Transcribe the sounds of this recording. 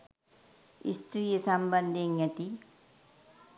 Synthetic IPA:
ḭsʈ̪ɾijɐsɐmbɐnd̪ʱiŋɐt̪i

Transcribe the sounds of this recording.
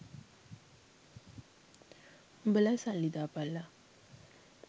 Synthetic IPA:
mbəlajsallid̪apala

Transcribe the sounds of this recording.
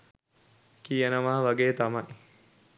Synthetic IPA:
kijənəʋaɦɐʋaɡeːt̪ɐmɐj

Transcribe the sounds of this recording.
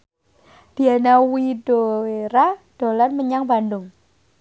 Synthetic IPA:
d̥ianawidoeɾad̥olarməɲaŋbandʊŋ

